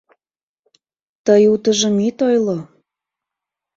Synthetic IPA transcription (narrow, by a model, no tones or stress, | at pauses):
t̪əjut̪əʒəmit̪ojlo